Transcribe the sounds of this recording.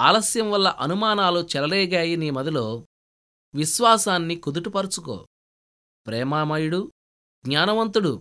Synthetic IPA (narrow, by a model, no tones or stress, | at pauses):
a̰ːlɐsjɐmʋɐlːɐʔɐnumaːnaːlut͡ʃɛlɐlɛːɡaːjiniːmɐd̪ilo̞ː | ʋiʃʋaːsaːnːikud̪uʈupɐɾut͡ʃuko̰ː | pɾɛːmaːmɐjuɽu | ɡɲaːnɐʋɐnt̪uɽu